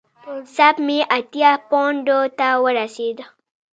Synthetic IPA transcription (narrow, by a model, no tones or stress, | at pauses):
sabmiʔat̪iapɔ̃ndot̪awəɾased̪a